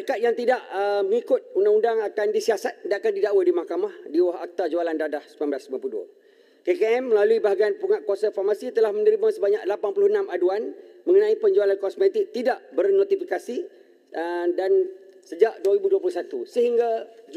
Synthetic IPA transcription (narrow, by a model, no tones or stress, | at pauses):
kat̪̚jaŋt̪idaʔəŋikʊt̪̚undaŋundaŋakandisiasat̪̚danakandidaʔwadimahkamahdiwaɦa̰k̚t̪ad͡ʒualandadahsəmanblaslimampludua̰ | kekeɛmːəlaluibaɦaɡianpuŋat̪̚kuasafarmasit̪əlahmənəɾimãsəbaɲa̰ʔlapanpulʊhənãmaduanməŋənãipəɲd͡ʒualankɔsmet̪ik̚t̪idaʔbərnõt̪ifikasi | dan | səd͡ʒaʔduaɾibuduapulʊsat̪usəɦiŋɡad͡ʒ